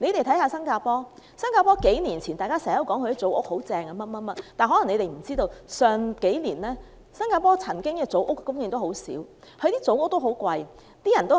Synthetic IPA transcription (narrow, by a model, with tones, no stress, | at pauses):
ne˨˧jt̪e˨˩jt̪ʰɐ˨˥jhaː˧sɐ˥nkaː˧pɔː˥sɐ˥nkaː˧pɔː˥ke˨˥jniː˨˩nt͡sʰiː˨˩nt̪aː˨jkaː˥sɛː˨˩a˥jɐ˧wkɔː˨˥ŋʰkʰt̪i˥t͡so˨˥wʔʊ̰˥k̚ho˨˥wt͡sɛː˧ŋɐ˧mɐ˥mɐ˥mɐ˥tt̪aː˨nɦɔː˨˥lɐ˨˩ŋne˨˧ɾe˨˩jm̩˨˩t͡siː˥t̪o˧wsœː˨ŋke˨˥jniː˨˩nlɛː˥ | sɐ˥nkaː˧pɔː˥t͡sʰɐ˨˩nkɪ˥ŋkɛː˧t͡so˨˥wʔʊ˥kːkʊ˥ŋjiː˨˧ŋt̪o˥who˨˥wsḭː˨˥w | hʰɵ˨˧jt̪iː˥t͡so˨˥wʊ˥k̚t̪o˥wɦo˨˥wkwɐ˧j | t̪iː˥jɐ˨˩nt̪o˥